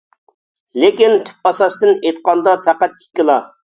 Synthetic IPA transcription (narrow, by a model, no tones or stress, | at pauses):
lɪkʲint̪ʰy̥p̚bɑsɑsd̪ɨnet̪̚qɑnd̪ɑpʰæqæt̪̚kʲʰi̥kʲːɪlˠɑ